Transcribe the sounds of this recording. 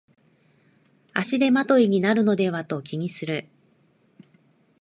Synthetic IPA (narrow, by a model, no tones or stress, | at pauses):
aɕid̪e̞mat̪o̞iɲ̟inaɾɯ̟no̞d̪e̞βat̪o̞kʲiɲ̟isɨɾɯ̟